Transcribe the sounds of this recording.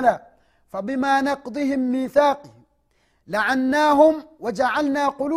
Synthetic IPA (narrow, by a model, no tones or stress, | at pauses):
laː | fabɪmaːnɑqd̪ˤɨɦɪmːiːθaːqm | laʕanːaːɦʊmwad͡ʒaʕalnaːqʊlu